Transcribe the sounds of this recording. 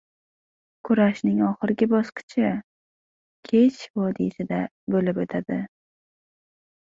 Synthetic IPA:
kʰʊɾaʃnɪŋɒχɨɾɪɡʲɪbɒsqɨ̥t͡ʃʰɪ | kʲʰet͡ʃʰvɒd̪isɪd̪a | bolɪpot̪ʰad̪ɪ

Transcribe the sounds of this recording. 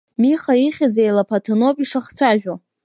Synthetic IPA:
miχaiχʲazejlapʰatʰɨnopʼiʂaχt͡sʷʰaʒᶣo

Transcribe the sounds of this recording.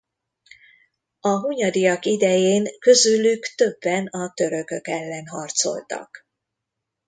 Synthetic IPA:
ɒɦuɲɒd̪ijɒkid̪ɛjeːŋkø̞zylykt̪ø̞bːɛnɒt̪øɾø̞kø̞kɛlːɛnɦɒrt̪so̞̰lt̪ɒ̰k

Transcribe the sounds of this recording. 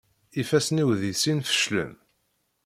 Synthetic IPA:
ifæsniwðisinfə̥ʃlə̰m

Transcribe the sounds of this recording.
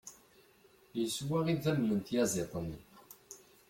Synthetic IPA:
jəswæʁiðæmlənt̪jæzˤet̪ˤəm

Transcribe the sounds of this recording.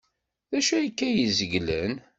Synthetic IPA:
ðæʃæjkːæjəzəɡlən

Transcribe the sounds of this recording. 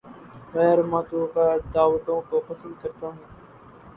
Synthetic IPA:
xɛːɾmãːt̪uːɣad̪aːʋət̪õːkoːpəsə̃nd̪̚kəɾt̪aːɦũː

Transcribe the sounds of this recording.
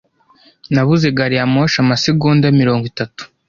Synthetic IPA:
naβuze̞ɡaɾiamoʃamasiɡuːndamiɾo̞ːŋɡwitatu̥

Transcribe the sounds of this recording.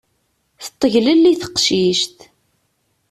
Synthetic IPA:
θə̥t̪ˤːəʝləlːiθə̥qʃiʃt̪

